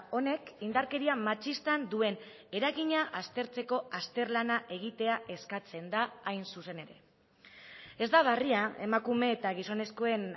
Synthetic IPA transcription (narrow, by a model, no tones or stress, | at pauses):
o̞ne̞kind̪aɾke̞ɾiamat͡ʃist̪and̪ue̞n | e̞ɾaɣiɲaʔast̪e̞ɾt͡se̞ko̞ast̪e̞ɾlanaʔe̞ɣ̞it̪e̞aʔe̞skat͡se̞nd̪aːjnsuse̞ne̞ɾe̞̰ | e̞zd̪aβ̞ariae̞makume̞ːt̪aɣ̞iso̞ne̞sko̞e̞n